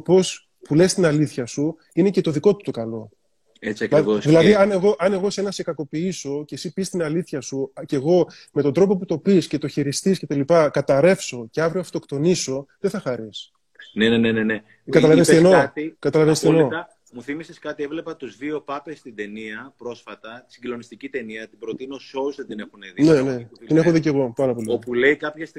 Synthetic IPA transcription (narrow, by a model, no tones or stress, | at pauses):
opo̞s | pule̞st̪inɐliθçɐsu | ine̞ce̞t̪o̞ðiko̞t̪ut̪o̞kɐlo̞ | et͡sɐkosðilɐðiɐne̞ɣo̞ʔɐne̞ɣo̞senɐse̞kɐko̞piiso̞ce̞sipist̪inɐliθçɐsuce̞ɣo̞ | met̪o̞nd̪ɾo̞p̬o̞put̪o̞pisce̞t̪o̞çiɾist̪isce̞t̪ɐlipɐkɐt̪ɐɾe̞fso̞ceɐvɾioft̪o̞kt̪o̞niso̞ðeθɐxɐɾis | nenenenene | kɐt̪ɐlɐvensienoɐt̪ikɐt̪ɐlɐvenst̪eno̞ɐ | muθimiseskɐt̪ievle̞pɐt̪uzðio̞pɐpest̪id̪e̞niɐpɾo̞sfɐt̪ɐt̪i̥siɟlo̞nist̪icit̪e̞niɐt̪ibɾo̞t̪ino̞so̞uzðend̪ine̞xuneðne̞ne̞t̪inexoðice̞ɣo̞pɐɾɐpo̞liopuleikɐpçes